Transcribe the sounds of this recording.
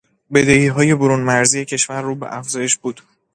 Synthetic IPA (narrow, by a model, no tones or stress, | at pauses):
be̞d̪e̞iːɦɒːje̞boɾunmæɾziːje̞cʰe̞ʃvæɾːuːbḛʔæfz̥ɒːje̞ʃbuːd̪̥